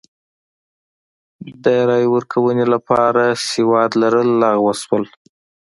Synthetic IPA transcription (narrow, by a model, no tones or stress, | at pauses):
d̪əɾɑjwəɾkʰawənelapɑɾasewɑd̪laɾəlːɑɣwəswəl